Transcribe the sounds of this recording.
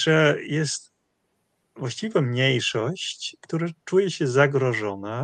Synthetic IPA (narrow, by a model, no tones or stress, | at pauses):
ʐɛjɛst̪ | vwaɕt͡ɕivɛmɲejʂɔɕt͡ɕkt̪uɾat͡ʂujɛɕɛzaɡɾɔʐɔna